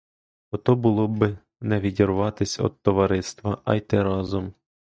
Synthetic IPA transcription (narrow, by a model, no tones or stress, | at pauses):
ɔt̪ɔbʊlˠɔbɪ | nɛʋʲidʲiɾʊʋɑt̪ɪsʲɔ̰d̪̚t̪ɔʋɐɾɪst̪ʋɐʔɐ̰jt̪ɪɾɑzɔm